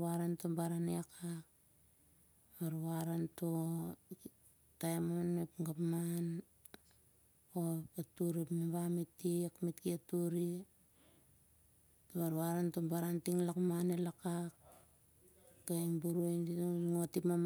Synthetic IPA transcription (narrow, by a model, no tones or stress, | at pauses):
aɾantombaɾaneakʰak | aɾuaɾanto | tajmonepŋɡapman | oatuɾipmibamitːikmitkiatuɾi | toβaɾuβaɾantombaɾantiŋlakmanelakak | ɡaŋbuɾuenŋotipmam